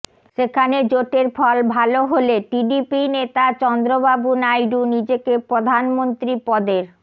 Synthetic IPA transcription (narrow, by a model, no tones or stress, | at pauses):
ʃekʰaned͡ʑoʈeɾfʰɔlbʱaloɦoleʈiɖipinet̪at͡ɕɔnd̪ɾobabunajɖunid͡ʑekepɾod̪ʱanmont̪ɾipɔd̪eɾ